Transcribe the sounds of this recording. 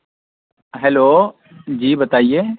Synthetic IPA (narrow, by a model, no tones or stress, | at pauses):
ɦɛːloː | d͡ʑiːbət̪aːieː